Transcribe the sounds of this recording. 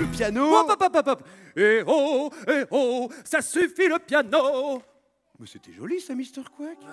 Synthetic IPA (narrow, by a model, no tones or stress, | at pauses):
ləpjanoapapapapp | eoeosasyfiləpjano | mɛset̪ɛʒɔlisamist̪ɛʁkwak